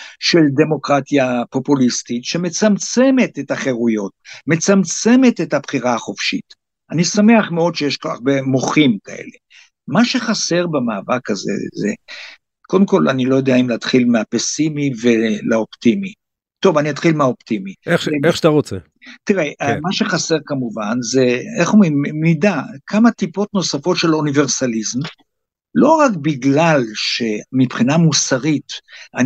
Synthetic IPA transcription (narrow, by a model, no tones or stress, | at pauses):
ʃe̞ld̪e̞mo̞kʁatjapo̞pulist̪itʃeme̞t͡samt͡se̞me̞t̪etaχeʁujo̞t̚me̞t͡samt͡se̞me̞tethabχiʁaːχo̞fʃit | anisame̞aχmeo̞d̪ʃejeʃkoa̰ʁbemoχimka̰ḛle̞ | maʃe̞χase̞ʁbemaːvakazḛzḛ | kodemko̞la̰nilo̞jo̞d̪eaimlat̪χilmeapesimivelaopt̪imi | t̪o̞vaniat̪χilmeaoptimieeetaʁot͡se | t̪iʁeʔamaʃeχase̞ʁkamuvanze̞eχummidakʰamatipo̞tno̞safo̞tʃe̞lonive̞ʁsalizm | lo̞ʁakbiɡlalʃe̞mipχinamusaʁita